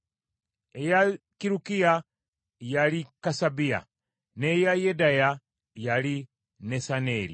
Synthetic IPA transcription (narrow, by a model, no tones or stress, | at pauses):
ejakiɾukia | jalikasabia̰ | nejajedaja | jali | nesaneːɾḭ